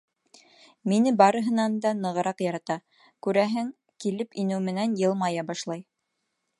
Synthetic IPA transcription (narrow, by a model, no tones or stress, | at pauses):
minɘbɑɾɤ̆ɦɤ̆nɑnd̪ɑnɤ̆ʁɤ̆ɾɑqjɑɾɑt̪ɑ | kʉɾæɦɘŋ | kilɘpinɘwmɘ̆nænjɤ̆lˠmɑjɑbɑʃlˠɑj